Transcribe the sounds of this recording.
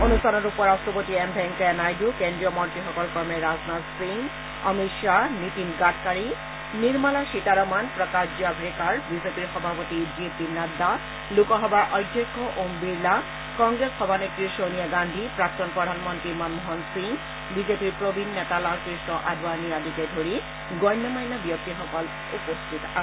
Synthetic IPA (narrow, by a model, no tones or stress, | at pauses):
onust̪ʰanoɾupoɾasʈɾopot̪iɛmbʱɛŋkanajdukend̪ɾijomɔnt̪ɾiɦɔkɔlfɔɾmeɾaznasiŋ | ɔ̰mitʃanit̪inɡaʈʰkaɾi | niɾmalaʃiʈ̪aɾɔmanpɾɔkaʃd͡ʑabɾekaɾbid͡ʑepiɾxɔbʱapot̪id͡ʑiepinad̪ːa | lukoɦɔbaʔɔjd̪ʱːekʰːoʔombiɾla | kɔŋɡɾeshɔbʱanekɾiʃonijaɡand̪ʱipɾak̚t̪onpɾod̪ʱanmont̪ɾimanmoɦonsiŋ | bid͡ʑepiɾpɾobʱinːet̪alakɾiʃnoʔad̪ʱwaniad̪it̪ed̪ʱoɾi | ɡɔjnːomajnabijok̚t̪iɦɔkal | upost̪ʰit̪a